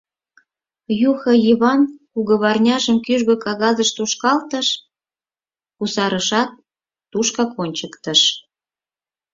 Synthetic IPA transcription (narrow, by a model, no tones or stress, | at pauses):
juxɤjiβɑnkuɣə̆βɑrnʲɑʒəmkyʒɣøkɑɣɑzəʃt̪uʃkɑlt̪ə̆ʃ | kusɑɾəʃɑt̪̚ː | uʃkɑkonʲt͡ɕəkt̪ə̆ʃ